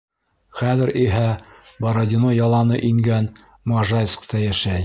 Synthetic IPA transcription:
χæðɘɾiɦæbɑɾod̪ʲinojɑlˠɑnɤʔiŋɡæn | mɑʒɑjskt̪ɑjæʃæj

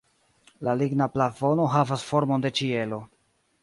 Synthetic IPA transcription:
laliɡnaplafo̞no̞ɦavasfo̞ɾmo̞nde̞t͡ʃie̞lo̞

